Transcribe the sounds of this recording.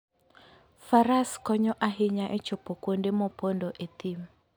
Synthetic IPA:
faɾaskɔɲɔʔaɦɪɲaʔɛt͡ʃopokwondemɔpondoʔet̪im

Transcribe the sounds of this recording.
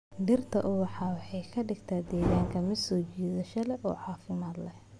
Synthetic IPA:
ɖɪrt̪ʰɐ̰ʔʊwɑħɑːwɑħɑjkʰɐɖɪɡt̪ʰaːd̪ɛːɣaːŋkʰɐmɪd̪sɔːt͡ʃiːðɐʃɐlɛʔɔ̰ːʕɑːfɪmaːd̪lɛh

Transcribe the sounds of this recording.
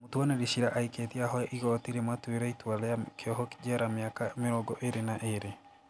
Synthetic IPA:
motwɔneɾiɕiɾaʔaiketiaɦɔɛʔiɣɔtiɾematweɾaitwalɛakʰeɔɦɔki̥d͡ʑɛɾameakameɾɔɡɔʔeɾenaʔeɾe

